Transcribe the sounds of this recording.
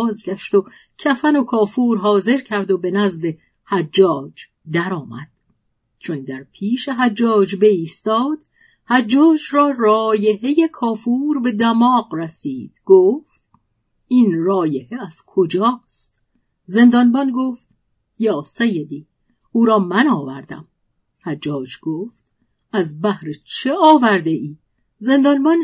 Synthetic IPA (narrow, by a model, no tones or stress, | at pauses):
zɡʲæʃt̪o | cʰæfæno̞kʰɒːfuːɾɦɒːze̞ɾcʰæɾd̪obe̞næzd̪e̞ | hæd͡ʒːɒːd͡ʒ | d̪æɾɒːmæ̰d̪̥̚ | t͡ʃʰo̞nd̪æɾpʰiːʃeɦæd͡ʒːɒːd͡ʒbe̞iːst̪ɒːd̪̥ | hæd͡ʒːɒːd͡ʒrɒːrɒːje̞he̞jekʰɒːfuːɾbe̞d̪æmɒːqræsiːd̪̥ɡ̥oːft̪ | iːnrɒːjeheæz̥kʰod͡ʒɒːst̪ | ze̞nd̪ɒːnbɒnɡoft̪ | jɒːsejed̪iː | uːɾɒːmænɒːvæɾd̪æ̰m | hæd͡ʒːɒːd͡ʒɡ̥oft̪ | æzbæhɾet͡ʃʰe̞ɒːvæɾd̪eiː | ze̞nd̪ɒːnbɒn